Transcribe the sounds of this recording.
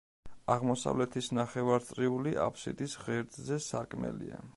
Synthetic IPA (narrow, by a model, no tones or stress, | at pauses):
aʁmɔsa̰vlɛt̪ʰisnaχɛvaɾt̪sʼɾiuliʔa̰pʰsḭd̪isʁɛɾd̪ʼzɛsaɾkʼmɛ̰lḭa̰